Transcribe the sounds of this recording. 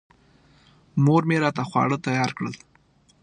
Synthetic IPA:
moɾmeɾɑt̪axwɑ̰ɽət̪ajɑɾkɽə̰l

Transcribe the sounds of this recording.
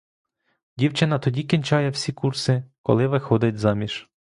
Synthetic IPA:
dʲiwt͡ʃɪnɐt̪ɔdʲikʲinʲt͡ʃɑjɛwsʲikursɪkɔ̰lˠɪʋɪxɔd̪ɪt̚ʲzɑmʲiʃ

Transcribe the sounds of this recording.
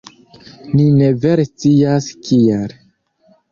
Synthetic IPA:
nine̞veɾest͡siaskiel

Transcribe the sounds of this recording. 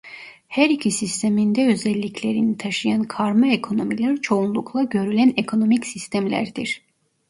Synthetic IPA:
hæɾicʰisist̪ʰemind̪ɛø̞zɛlʲːicʰlʲe̞ɾinit̪ʰaʃɯjankʰaɾmaekʰo̞no̞milʲæɾt͡ʃʰo̞unlˠukʰlˠaɟø̞ɾylʲænekʰo̞no̞micsist̪ʰæmlʲæ̰ɾd̪iɾ̥

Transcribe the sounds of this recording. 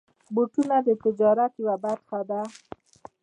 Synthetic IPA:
boʈunad̪ət̪ɪd͡ʒɑɾat̪jwabat̪xad̪a

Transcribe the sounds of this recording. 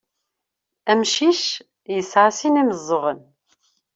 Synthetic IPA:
æmʃiʃ | jəsʕasiniməzˤːəʁən

